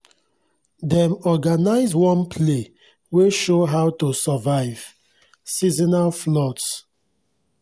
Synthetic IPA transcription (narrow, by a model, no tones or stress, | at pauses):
dɛ̃mɔɡanaɪzwɔ̃npʰle | weʃoɦawtusavaɪv̥ | sizinaflɔts